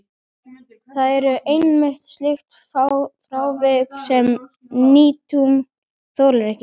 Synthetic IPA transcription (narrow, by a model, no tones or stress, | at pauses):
θaðɛɾʏʔejnmɪht̪st̪lɪxt̪fawfɾaːwvɪksɛm | niːt̪um | θowɾlɾɛhcɪ